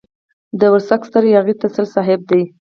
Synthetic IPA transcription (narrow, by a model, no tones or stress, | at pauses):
d̪əwəɾsakst̪əɾjɑɣit̪asəlsɑɦɪb̚d̪aj